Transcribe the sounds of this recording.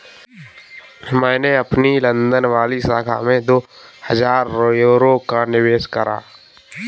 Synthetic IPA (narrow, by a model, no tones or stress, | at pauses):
mɛ̃ːneɐpnilə̃nd̪ənʋaːlisaːkʰa̰mẽd̪oː | həd͡ʒaːɾojoɾokanɪʋeːʃkəɾa̰ː